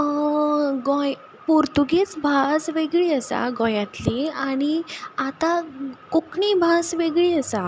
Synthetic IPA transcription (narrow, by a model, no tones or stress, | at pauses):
ɡɔ̃j | puɾt̪uɡet͡sbʱasʋeɡɭiːəsa̰ɡɔ̃jãt̪liaɽ̃iat̪akukʰɳibʱasʋeɡɭiːəsa